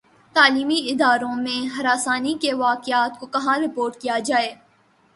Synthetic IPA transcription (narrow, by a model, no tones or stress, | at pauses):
t̪aːliːmiɪd̪aːɾõmẽɦɐɾaːsaːnikeʋaːkɪaːt̪̚kokɐɦãɾɪpoːɾʈkijad͡ʒaːeː